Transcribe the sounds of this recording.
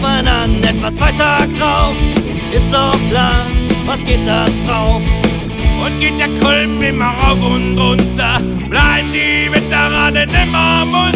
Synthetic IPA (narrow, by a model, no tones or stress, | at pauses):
mananɛtv̥ast͡svaɪtʰak̚d̥ʁaʊf | ʔɪstd̥ɔχkʰlaːɐvasɡ̥eːt̚d̥asd̥ʁaʊf | ʔʊnt̚ɡ̥eːt̚d̥eːɐkʰɔlbɪmaʁaʊfʊndʁʊntɐ | b̥laɪbdivɪtəʁanɪnɪmamʊ